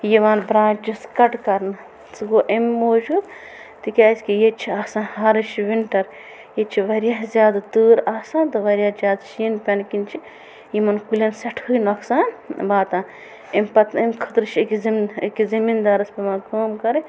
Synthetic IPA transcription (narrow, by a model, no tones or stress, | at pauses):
jiʋaːnbɾãːt͡ʃd͡ʒuskɐʈkɐɾnɨ | sɨɡoːʔemʲːoːd͡ʒuːd̪ | t̪ikʲaːsʲkijet͡ʃʰiaːsãːnhɐɾɨʃʋiɳʈɐɾ | jet͡ʃʰiʋɐɾijaːzʲjaːd̪t̪uːɾaːsãːnt̪ɨʋɐɾʲjaːzʲjaːd̪ʃiːnpʲɐnkint͡ʃʰi | jimɐnkulʲɐnsɐʈʰhujnɔksaːnbaːt̪ãːn | emʲpɐt̪emʲkʰɐt̪ɾɨt͡ʃʰekzimkizimind̪aːɾɐspʲɐmɐnkoːmkɐɾe